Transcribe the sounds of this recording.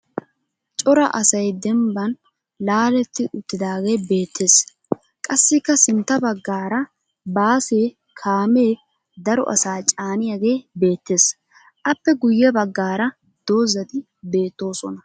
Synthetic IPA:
t͡ʃʼɔɾɐ̰ʔɐsɐjd̪ɛmbɐn | laːlɛt̪ːɪʔʊt̪ːɪd̪aːɡe̞ːbe̞ːt̪ʰːeːs | kʼɐsːɪkːɐsɪnt̪ːɐbɐɡːaːɾɐ | baːseː | kʰaːme̞ː | d̪ɐɾɔ̰ʔɐ̰saːt͡ʃʼaːnɪjaɡe̞ːbe̞ːt̪ːe̞ːs | ʔɐpːɛɡʊjːɛbɐɡːaːɾɐ | d̪̥o̞ːzːɐt̪ɪ | be̞ːt̪ːo̞ːsɔnɐ

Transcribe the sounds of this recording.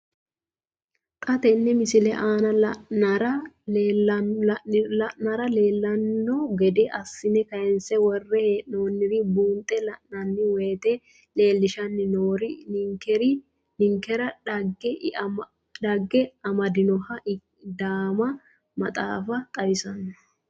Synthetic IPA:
k̪ʼɐt̪ɛnːɛmɪsɪlɛʔaːnɐlɐnɐɾɐ | lɐʔnɐɾɐle̞ːlːɐnːɔɡɛd̪ɛʔɐsːɪnɛkɐjɛnsɛwɔrːɛheoːnːɪɾɪbuːnt̪ʼːɛlɐʔnɐnːɪweːt̪ɛ | le̞ːlːɪʃɐnːɪnoːɾɪŋkɛɾɪ | nɪŋkɛɾɐɐɡɛ | dɐɡːɛɐmɐd̪ɪnɔhɐʔ | d̪aːmɐ | mɐt̪ʼa̰ːfɐt̪ʼɐwɪsɐnːɔ̥

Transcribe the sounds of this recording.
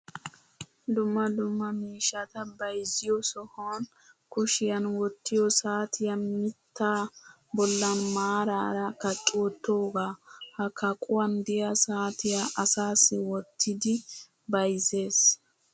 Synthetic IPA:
d̪ʊmːɐd̪ʊmːɐmiːʃːɐt̪ɐbɐjzɪjɔsɔhon | kʊʃɪjɐnwɔt̪ːɪjɔsaːt̪ʰɪjɐmɪt̪ːaː | bɔlːɐnmaːɾaːɾɐkɐt͡ʃʼːwot̪ːo̞ːɡaːhɐkʰːɐkʼʊwɐnd̪ɪjɐsaːt̪ɪjaʔɐsaːsːɛwɔt̪ʰːɪd̪ɪ | bɐjze̞ːs

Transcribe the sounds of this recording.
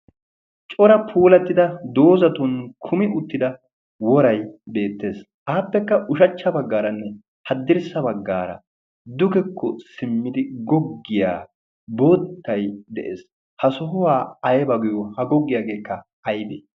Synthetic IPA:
t͡ʃʼɔɾɐpʰuːlɐt̪ːɪd̪ɐd̪o̞ːzɐt̪ʊnkʰʊmɪʊt̪ːɪd̪ɐ | wɔɾɐjbe̞ːt̪ːe̞ːs | ʔaːpːɛkːɐʔʊʃɐt͡ʃːɐbɐɡːaːɾɐnːɛ | hɐd̪ːɪɾsɐbɐɡːaːɾɐ̰ | d̪ʊɡɛkʰːɔsɪmːɪd̪ɪɡɔɡːɪja̰ː | boːt̪ːɐjd̪ɛʔḛːs | hɐsɔɦʊwaːɐjbɐɡʊjɔhɐɡɔɡːɪjaːɡe̞ːkːɐ | ɐjbe

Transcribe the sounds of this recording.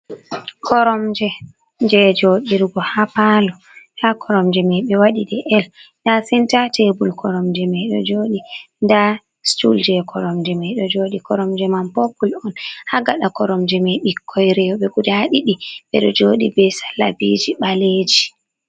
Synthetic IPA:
kʰɔɾɔmd͡ʒɛ | d͡ʒɛd͡ʒoɗiɾɡɔhapalɔ | hakʰɔɾɔmd͡ʒɛmɛjɓɛwaɗiɗɛʔɛl | dasintatebulkʰɔɾɔmd͡ʒɛmɛɗɔ̰d͡ʒoɗinda | stṵld͡ʒɛkʰɔɾɔmd͡ʒɛmɛɗɔd͡ʒoɗikɔɾɔmd͡ʒɛmanpopːulɔnhaɡaɗakɔɾɔmd͡ʒɛmɛɓikʰːɔjɾɛwɔɓɛkudaɗiɗiɓɛɗɔd͡ʒoːɗibɛsḁla̰bid͡ʒiɓaled͡ʒi

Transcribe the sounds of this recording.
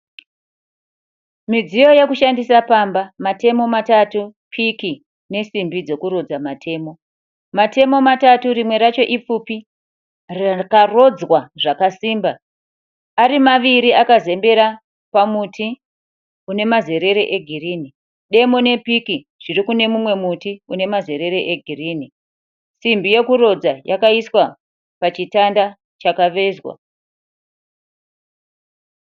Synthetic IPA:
mid͡zijo̞jekuʃandisapaːmbamate̞mo̞matatupʰiki | ne̞simbid͡zo̞kuɾod͡zamatʰe̞ːmo̞ | mate̞mo̞matatuɾimwe̞ɾat͡ʃo̞ʔip͡fupi | rakaro̞d͡zwaʐakasiːmba | aɾimaʋiɾiʔakaze̞mbe̞ɾa | pamuti | une̞maze̞ɾe̞ɾeʔeɡʱiriːni | ɗe̞mone̞piki | ʐ̥irikune̞mumwe̞mutiune̞maze̞ɾe̞ɾe̞ʔeɡʱiriːni | simbije̞kuɾo̞d͡zajakaiswa | pat͡ʃitanda | t͡ʃakaʋe̞zwa̰

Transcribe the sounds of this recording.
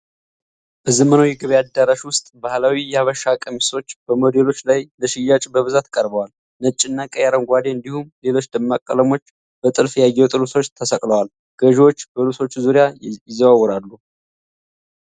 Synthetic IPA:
b̥əzəməno̞jɛɡəβejad̪ːaɾaʃwʊst̪ʼbahlawijɛaβəʃːakʼəmiso̞t͡ʃːbəmo̞d̪e̞lo̞t͡ʃːlajləʃɪjːat͡ʃʼbəβɨzat̪kʼəɾbəwal | nət͡ʃʼːɪnːakʼəjaɾənɡʷad̪eɨnd̪ihumle̞lo̞t͡ʃːd̪əmːakʼːələmo̞t͡ʃː | b̥ət̪ʼɨlfjajːɛwt̪ʼɨluso̞t͡ʃːt̪ʰəsəkʼləwal | ɡ̥əʒwo̞t͡ʃːbəluso̞t͡ʃːzuɾjaɪzːəβawːɔɾalːu

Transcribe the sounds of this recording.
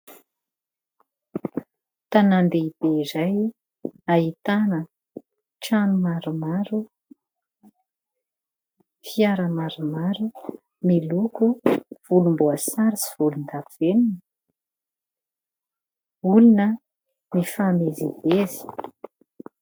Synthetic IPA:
t̪anand̪eib̥eizaj | aɦit̪anə | ʈ͡ʂanumaɾumaɾu | fiaɾəmaɾumaɾu | milukuv̥ulumbuasaɾisi̥vulund̪aveninə | ulunə | mifamezib̥ezi̥

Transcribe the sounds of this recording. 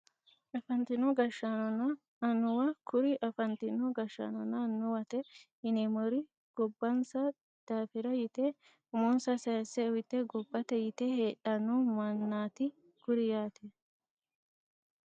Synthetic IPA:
ɐfɐnt̪ɪnɔɡɐʃːanɔnɐː | nʊwɐkʊɾɪʔɐfɐnt̪ɪnɔɡɐʃːɐ̰nɔnɐnːʊwɐt̪ɛ | ɪnɛmɔɾɪ | ɡ̥ɔbːɐnsɐ | d̪̥aːfɪɾɐjɪt̪e | ʊmɔnsɐsɐjɐsɛwɪt̪ːɛɡɔbːɐt̪ɛjɪt̪ɛheːᶑɐnːumɐnːaːt̪ɪ | kʊɾɪjaːt̪ɛ

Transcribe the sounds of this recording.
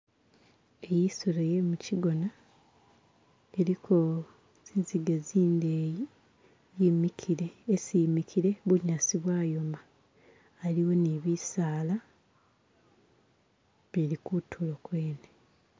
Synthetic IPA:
e̞jisolejemuciɡo̞na | eɾikʰo | z̥iziɡeziːnde | jimikʰiɾeːsimikʰiɾe̞βuɲasiβwaːjo̞maː | liwo̞niβisaːla | βiɾikutʰulokweːne

